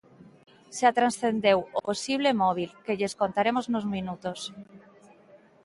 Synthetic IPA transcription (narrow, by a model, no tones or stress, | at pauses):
sat̪ɾansθend̪ewoposiβ̞lemɔβ̞ilkeʎeskont̪aɾemoznozmĩnut̪os